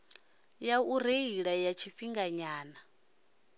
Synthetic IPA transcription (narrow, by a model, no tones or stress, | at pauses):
jauɾeiɺajat͡ʃʰifiŋɡaɲaːna